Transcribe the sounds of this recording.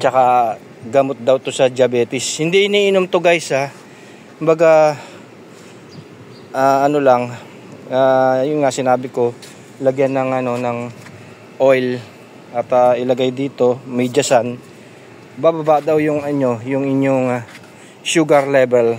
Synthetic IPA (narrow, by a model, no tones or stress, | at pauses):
t͡ʃɐka | ɡɐmo̞t̪̚d̪ɐwt̪o̞sɐd͡ʒɪɐbɛːt̪ɪshɪnd̪iʔɪniːʔɪnomt̪ʊɡajsa | kʊmbɐɡa | ʔaːɐno̞laŋ | aːjʊnŋaʔsɪnaːbɪko̞ | lɐɡjanːɐŋʔɐno̞nɐŋ | ʔo̞jl | ʔɐt̪aʔɪlɐɡajd̪iːt̪o̞mɐjd͡ʒɐsan | baːbabaʔd̪awjʊŋɐɲo̞jʊŋɪɲjoŋ | ʃuːɡɐɾlɛbɛl